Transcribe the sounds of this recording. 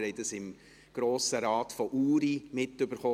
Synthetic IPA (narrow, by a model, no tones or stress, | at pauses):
ɾɛɪdəsɪm | ɡ̥ɾoːsəɾɑːtfɔʔuːɾimɪtːʏbəɾχo